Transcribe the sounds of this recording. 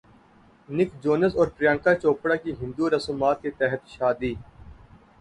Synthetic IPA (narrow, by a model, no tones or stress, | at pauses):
nɪkd͡ʒoːnəsɔːɾpɾijãːŋkat͡ʃoːpɽakiɦɪ̃nd̪uɾɐsuːmaːt̪̚ket̪ɛɦət̪ʃaːd̪iː